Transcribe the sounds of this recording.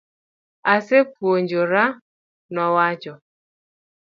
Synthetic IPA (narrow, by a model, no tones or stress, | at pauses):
asepwoɲd͡ʒoɾa | nɔwad͡ʒɔ